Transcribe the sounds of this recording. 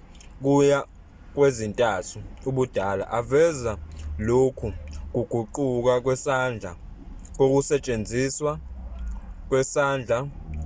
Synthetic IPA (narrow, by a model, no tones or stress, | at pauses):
k̬uja | k̬wezintʼatʰuuɓud̥ʱaːla̰ʔavɛzalokʰuk̬uɡ̥ʱuǃuk̬ak̬wɛsand͡ɮʱak̬ok̬usɛt͡ʃʼend͡zʱiswa | k̬wɛsaːnd͡ɮʱa